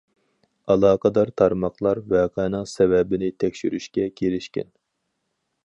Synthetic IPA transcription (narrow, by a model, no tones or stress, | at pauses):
ɑlˠɑːqʰəd̪ɑɾt̪ʰɑɾmɑqlˠɑɾwɛqʰɑnɨŋsɛwɛbɪnɪt̪ʰɛkʲʃyɾyʃkʲɛkʲʰelɪʃkʲɪ̰n